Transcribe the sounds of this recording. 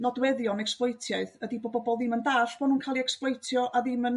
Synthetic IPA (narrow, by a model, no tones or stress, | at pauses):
nɔdwɛðjɔnɛksplˠɔjtʰjaɨðədibɔbɔbɔlˠðɪməndaɬb̥ɔnuːnkʰalˠiɛksplˠɔjtʰjɔʔaðɪmən